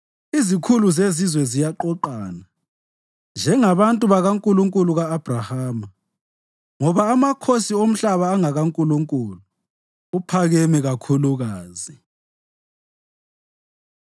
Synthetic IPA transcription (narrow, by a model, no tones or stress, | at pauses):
izikʰuluzezizwɛzijaǃɔǃaːna | nd͡ʒʱɛŋaβantʼuβaɣaŋkʼuluŋkʼuluɣaːb̥ʱrahaːma | ŋɔβaːmakʰosiom̩ɬaβaːŋaɣaŋkʼuluŋkʼuluː | pʰaɣɛmɛɣakʰuluɣaːzi